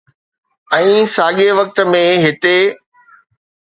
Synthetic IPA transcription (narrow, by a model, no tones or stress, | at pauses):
ɛ̃ːsaːɠeʋɐk̚t̪̆mẽɦɪt̪e